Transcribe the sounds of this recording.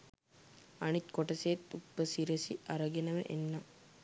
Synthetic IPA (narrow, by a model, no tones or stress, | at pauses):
ɐnit̪koʈɐseːt̪ːupːəsiɾesiʔɐɾɐɡenɐʋḛʔenːɐ